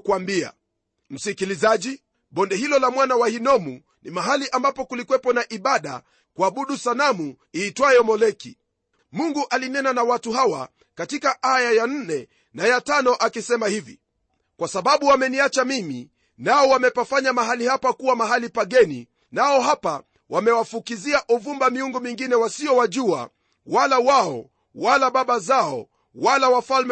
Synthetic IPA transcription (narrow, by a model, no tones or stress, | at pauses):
kwambia̰ | m̩sikilizaʄi | ɓɔndɛhilɔlamwanawahinɔmu | nimaɦaliʔambapɔkulikwɛpɔnaʔiɓaɗa̰ | kuaɓuɗusanamu | iːtwajɔmɔlɛki | muŋɡuʔalinɛnanawatuɦawa̰ | katikaʔajajan̩nɛ | najatanɔʔakisɛmahivḭ | kwasaɓaɓuwamɛniat͡ʃamimḭ | naɔwamɛpafaɲamaɦalihapakuwamaɦalipaɠɛnḭ | naɔɦapa | wamɛwafukiziaʔuvumbamiuŋɡumiŋɡinɛwasiɔwaʄua̰ | walawaɔ | walaɓaɓazaɔ̰ | walawafalmɛ